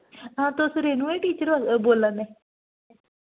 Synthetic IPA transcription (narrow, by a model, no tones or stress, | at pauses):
ãːt̪osʊɾeːnũːẽːʈiːt͡ʃəɾʋakboːlːãnɛ